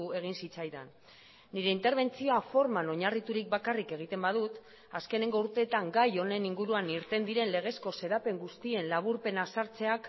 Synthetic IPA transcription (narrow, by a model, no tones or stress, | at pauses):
e̞ɣ̞insit͡sajða̰nː | iɾe̞int̪eɾβ̞e̞nt͡sio̞afo̞ɾmano̞ɲarit̪uɾik̚bakarike̞ɣ̞it̪e̞mbaðut̪ | aske̞ne̞ŋɡo̞uɾt̪e̞ːt̪aŋɡajo̞ne̞niŋɡuɾuaniɾt̪e̞nd̪iɾe̞nle̞ɣ̞e̞sko̞se̞ðape̞ŋɡust̪ie̞nlaβ̞uɾpe̞nasaɾt͡se̞ak